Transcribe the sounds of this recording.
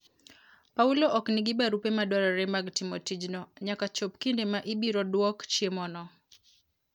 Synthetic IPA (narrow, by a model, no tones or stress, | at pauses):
paulɔʔɔkniɡibaɾupemadɔɾaɾɛmaɡtimɔtid͡ʒnɔɲakat͡ʃɔp̚kindemaʔibiɾɔdwɔkt͡ʃiemɔnɔ